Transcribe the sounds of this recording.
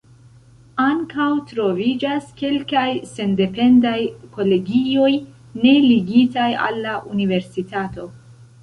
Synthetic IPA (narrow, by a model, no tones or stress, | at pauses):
aŋkawtɾo̞vid͡ʒaske̞lkajse̞nde̞pe̞ndajko̞le̞ɡio̞j | ne̞liɡitaja̰lːaʔunive̞ɾsitato̞